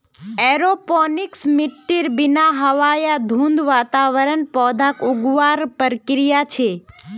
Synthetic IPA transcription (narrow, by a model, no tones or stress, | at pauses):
ɛɾopɔniksmɪʈːiɾbinaɦəʋajad̪ʱũnd̪ʋat̪aʋəɾənpɔd̪ʱakuɡʋaɾpəɾkɾijat͡ʃʰe